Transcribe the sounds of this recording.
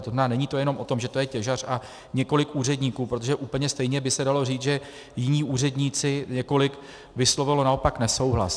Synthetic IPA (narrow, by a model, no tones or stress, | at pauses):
t̪ozmɛnaːnɛɲiːt̪o̞jɛno̞mʔo̞t̪o̞mʒɛt̪o̞jɛcɛʒar̝̥a | ɲɛko̞lɪkʔuːr̝ɛdɲiːkuːpɾot̪̬oʒɛʔuːpl̩ɲɛst̪ɛjɲɛbɪsɛdalo̞riːt͡sʒɛ | jɪɲiːʔuːr̝ɛdɲiːt͡sɪɲɛko̞lɪk | vɪslo̞vɪlo̞nao̞paknɛso̞wɦla̰s